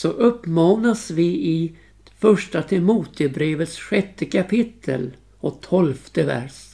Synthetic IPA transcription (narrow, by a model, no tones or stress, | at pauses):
sɔʔɵpːmɑːnasvɪɪ | fœʂʈat̪ʰɛmuːt̪ʰəbɾeːvət̪sɧɛt̪ːəkʰapʰɪt̪ʰːə̰l | ɔt̪ʰɔlft̪əvæ̰ʂ